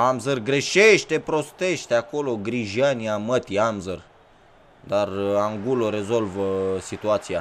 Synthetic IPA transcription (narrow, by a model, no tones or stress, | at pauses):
amzərɡɾe̞ʃeʃt̪e̞pɾo̞st̪e̞ʃt̪eako̞lo̞ɡɾiʒianiamət̪iamzər | d̪araŋɡuloɾe̞zo̞lvəsit̪uat̪sija